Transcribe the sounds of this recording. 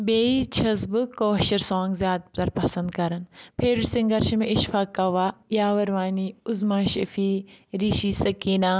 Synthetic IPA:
beːit͡ʃʰɐzbɨkoːʃɐɾsãːŋɡzjaːd̪̚t̪ɐɾpɐsɐ̃nd̪kɐɾɐnpʰeɾsiŋɡɐɾʃɐmẽʔɪʃfaːkːɐʋaːjaːʋɐɾʋaːniːʊzmaːʃɐ̰fiːɾiːʃiːsɐkiːnaː

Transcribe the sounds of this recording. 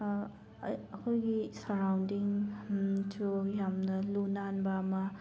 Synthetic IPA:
əkʰojɡisaɾawndiŋ | tʰujamnɐlunanbɐmɐ

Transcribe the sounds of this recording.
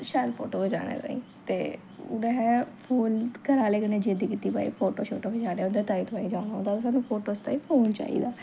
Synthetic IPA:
ʃaːlpʰo̰ːʈoːbed͡ʒa̰ːɽḛːt̪a̰ḭ̃ːt̪eː | ʊ̰nẽɦɛ̃ːpʰuːlkəɾaːleːkəneːd͡ʒed̪iːkit̪ːiːpa̰ːḭːpʰoːʈoːʃoːʈoːbed͡ʒaːɽeːʊnd̪eːt̪aːĩːt̪paːĩːd͡ʒaːʊñaːõnd̪aːsaːnũːpʰoːʈoːst̪aːiːpʰoːnt͡ʃa̰ːḭːd̪aː

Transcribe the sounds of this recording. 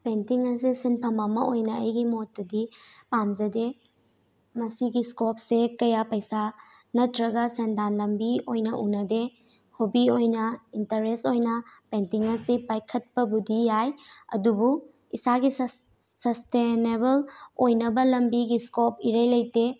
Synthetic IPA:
pentiŋɐs̬isinpʰɐmamɐojnɐɐ̰jɡimotːɐdipamzɐde | mɐsiɡiskop̚sekɐjapɐjsa | nɐtʰɾɐɡɐsendanlɐmbiojnɐʔunɐde | hobiojnɐintɐɾestojnɐpentiŋɐsipajkʰɐt̚pɐbudijajɐ̰dubu | isaɡis | sɐstenebɐlojnɐbɐlɐmbiɡiskop̚iɾɐjlɐjte

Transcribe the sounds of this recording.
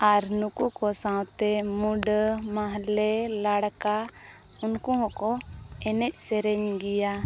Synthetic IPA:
aɾnukukɔsãwt̪ɛmuɖmaɦlɛlaɽka | unkũɦɔ̃kɔ | ɛnɛc̚ˀsɛɾɛɲɡija

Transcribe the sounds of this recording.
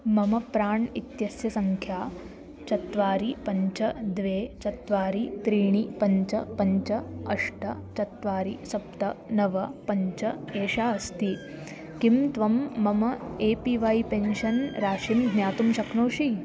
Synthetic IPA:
mɐmɐpɾaːɳit̪jɐsjɐsɐŋkʰjaː | t͡ʃɐt̪ʋaːɾipɐɲt͡ʃɐd̪ʋeːt͡ʃɐt̪ʋaːɾit̪ɾiːɳ̃ipɐɲt͡ʃɐpɐɲt͡ʃɐɐʂʈɐt͡ʃɐt̪ʋaːɾisɐp̚t̪ɐnɐʋɐpɐɲt͡ʃɐeːʃaːɐst̪i | kimt̪ʋɐmːɐmɐeːpiʋaːjpenʃɐnɾaːʃinɡʱnjaːt̪umʃɐknoːʃi

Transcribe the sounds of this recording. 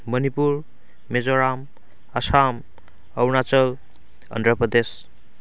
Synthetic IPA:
mʌnipuɾ | med͡zoɾam | əsam | ʌwnat͡səl | ʌ̰nd̪ɾəpɾəd̪es

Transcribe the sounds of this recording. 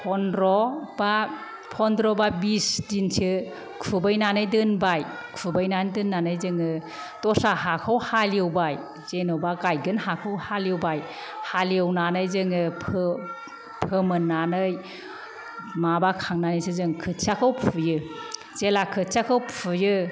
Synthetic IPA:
pʰɔnɾɔba | pʰɔndɾɔbabisdinsɯ | kʰubɯjnanɯjdɯnbaj | kʰubajnandɯnːanɯjzɯŋɯ | tɔsaɦakʰawhaliɯwbaj | z̥enɯwbakajɡɯnhakʰɯwhaliɯwbaj | haliɯwnanɯjzɯŋɯpʰɯ | pʰɯmɯnːanɯj | mabakʰaŋnanɯjsɯzɯŋkʰɯsakʰɯwpʰujɯ | z̥elakʰɯsakʰɯwpʰujɯ

